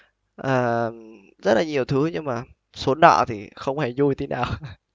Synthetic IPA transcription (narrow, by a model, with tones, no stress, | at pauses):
ʔəː˨˩m | zə˦˥t̚laː˨˩ɲi˨˩əwt̪ʰɨ˨˦ɲɨ˧ŋmaː˨˩ | su˨˦ənːɔ̰ː˧˨t̪ʰi˨˩xə˧wŋ͡mhe˧˩zu˧jt̪ʰe˨˦na̰ː˨˩w